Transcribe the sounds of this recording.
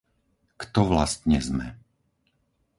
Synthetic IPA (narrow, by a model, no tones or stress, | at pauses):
kt̪ɔʋlast̪ɲɛzmɛ̰